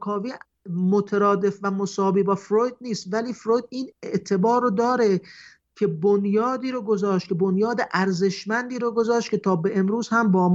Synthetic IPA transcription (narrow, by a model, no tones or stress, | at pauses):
kʰɒːviː | mot̪ʰeɾɒːd̪e̞fvæmosɒːbiːbɒːfɾojd̪̚niːst̪væliːfɾojd̪̚iːneʔt̪ʰe̞bɒːɾod̪ɒːɾe̞ | cʰe̞bonjɒːd̪iːɾoɡo̞zɒːʃt̪̚kʰebonjɒːd̪eʔæɾze̞ʃmænd̪iːɾoɡo̞zɒːʃt̪̚kʰʲe̞t̪ʰɒːbeʔemɾuːzhæmbɒːm